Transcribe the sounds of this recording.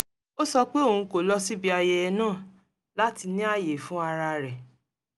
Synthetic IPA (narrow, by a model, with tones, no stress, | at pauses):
o˦sɔ˧k͡pe˦o˦˨ũ˧ko˨lɔ˦si˦bi˦a˧je˧ɛ˧nãː˦˨ | la˨˦ti˧nĩ˦a˦˨je˨fũ˦a˧ɾa˧ɾɛ˨